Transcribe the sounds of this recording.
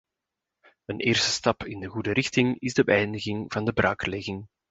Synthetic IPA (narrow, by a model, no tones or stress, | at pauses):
ənʔeːrstə̥stɑpɪndəɣudəɾʔɪxtɪŋɪzdəbəɛjndəɣɪŋvɑndəbɾa̰ːkəlɛɣɪŋ